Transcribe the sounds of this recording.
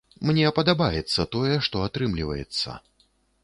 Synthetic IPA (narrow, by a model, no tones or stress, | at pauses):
mnʲɛpɐd̪abajɛt̪sːɐt̪ɔjɛʂt̪ɔat̪ɾɨmlʲivɐ̰jɛ̰t̪sːɐ̰